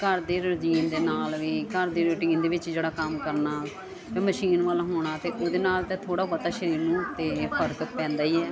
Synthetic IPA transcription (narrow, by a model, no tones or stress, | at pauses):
kəɾd̪eːɾoʈiːnd̪eːnaːlʋiːkəɾd̪eːɾoːʈiːnd̪eːʋɪt͡ʃd͡ʒeːɽaːkəmkəɾnaː | ẽːməʃiːnʋaːlaɦoːɽ̃aːt̪eːʔoːd̪eːnaːlt̪ẽːt̪ʰoːɽaːbət̪aːʃəɾiːɾnũːt̪eːpʰəɾt̪ʊkpɛ̃ːnd̪aːiːɛː